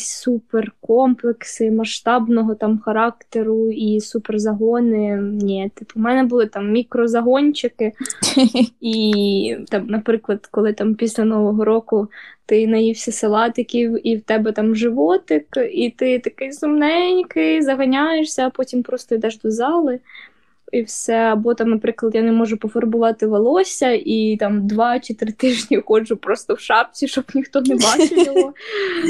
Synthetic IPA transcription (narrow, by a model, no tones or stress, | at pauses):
superkɔmplˠeksɪmɐʃt̪ɑbnɔɦɔt̪ɑmxɐɾɑk̚t̪eɾʊisuperzɐɦɔnɪnʲɛt̪ɪpʊmɛnɛbʊlˠɪt̪ɑmːʲikɾɔzɐɦɔnʲt͡ʃɪkɪ | i | t̪ɑmnɐpɾɪklˠɐd̪̥kɔlˠɪt̪ɑmpʲisʲlʲɐnɔʋɔɦɔɾɔkʊt̪ɪnɐjiwsʲɐselˠɑt̪ɪkʲiwiwt̪ɛbɛt̪ɑmʒɪʋɔt̪ɪkit̪ɪt̪ɐkɪjsʊmnɛnʲkɪzɐɦɐnʲajeʃsʲɐːpɔtʲimpɾɔst̪ɔid̪ɛʒd̪ɔzɑlˠɪ | iwsɛɐbɔt̪ɑmnɐpɾɪklˠɐd̪janɛmɔʒʊpɔfɔrbʊʋɑt̪ɪʋɐlˠɔsʲɐʔit̪ɑmd̪ʋɑt͡ʃɪt̪ɾɪt̪ɪʒnʲixɔd͡ʒʊpɾɔst̪ɔwʃɑp̚t͡sʲiʃt͡ʃɔbnʲixt̪ɔnebɑɪbʊlˠɔ